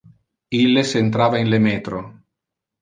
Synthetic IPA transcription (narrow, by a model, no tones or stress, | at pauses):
ilːesent̪ɾaːvainlemeːt̪ɾo